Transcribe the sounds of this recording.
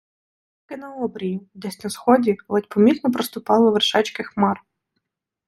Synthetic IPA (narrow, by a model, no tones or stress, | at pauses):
kɪnɐɔbɾʲijid̪ɛsʲnɐsxɔdʲilˠɛtʲpɔmʲit̪nɔpɾɔst̪ʊpɑlˠɪʋerʃɑt͡ʃkɪxmɑr